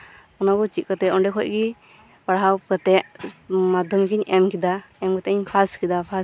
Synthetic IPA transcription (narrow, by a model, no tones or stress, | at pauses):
ɔnakɔt͡ʃit̪̚kat̪ɛʔɔnɖɛkʰɔc̚ɡi | paɽɦawkat̪ɛʔmad̪ʱɔmkʰiɲɛmkʰid̪aɛmɡat̪ɛɛɲpʰaskʰid̪apʰa